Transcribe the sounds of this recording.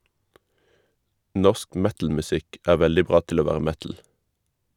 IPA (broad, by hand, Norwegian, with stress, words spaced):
ˈnɔsk ˈmɛtl̩mʉˌsɪk ˈæː ˈʋɛldɪ ˈbʁɑː ˈtɪl ˈoː ˈʋæːʁə ˈmɛtl̩